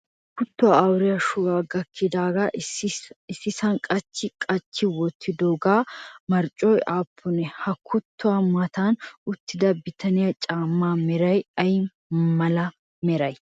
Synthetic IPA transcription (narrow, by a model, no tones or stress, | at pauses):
kʊt̪ːʊaːwɾɪjɐʃʊwaːɡɐkʰːɪd̪aːɡaː | ɪsːɪsɐnkʼɐt͡ʃːɪkʼɐt͡ʃːɪwɔt̪ʰːɪd̪oːɡaːmɐɾt͡ʃʼɔjaːpʰːʊnɛhɐkʰʊt̪ːʊamɐt̪anʊt̪ːɪd̪ɐbɪt̪ʰɐnɪjɐt͡ʃʼaːmːaːmɛɾɐjɐj | mɐlɐ | mɛɾɐj